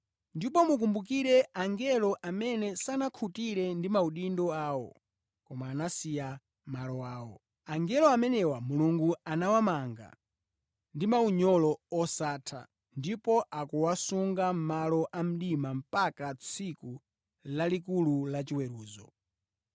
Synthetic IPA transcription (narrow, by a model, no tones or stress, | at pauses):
ndipɔmuk̬umbuk̬iɾɛaŋɡɛlɔʔamɛnɛsanakʰutiɾɛndimauɗindɔaːwɔ | kɔmaːnasija | malɔwaːwɔ | aŋɡɛlɔamɛnɛwamuluŋɡuanawamaŋɡa̰ | ndimauɲɔlɔɔsaːtʰa̰ | ndipɔʔakuwasuŋɡam̩malɔʔam̩ɗimam̩pakat͡sʰiku | lalikululat͡ʃiwɛɾuːzɔ̰